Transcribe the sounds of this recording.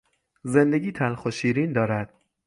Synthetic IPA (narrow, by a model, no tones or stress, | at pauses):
ze̞nd̪eɡiːt̪ʰænxoʃiːɾiːnd̪ɒːɾæd̪̥̚